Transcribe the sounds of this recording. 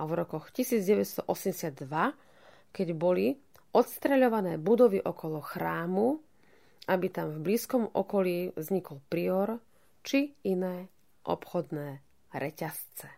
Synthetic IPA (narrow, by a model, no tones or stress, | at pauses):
avɾɔkɔxcisiːd͡zɟɛʋɛcst̪ɔʔɔsɛmɟɛsɪad̪ːʋa | kɛɟbɔli | ʔɔt̪st̪ɾɛʎɔʋanɛːbud̪ɔʋiʔɔkɔlɔxɾaːmu | ʔabit̪amvbliːskɔmʔɔ̰kɔliːvzɲikɔlpɾiɔɾ | t͡ʃiinɛː | ʔɔ̰pxɔd̪nɛː | ɾɛcast͡sɛ̥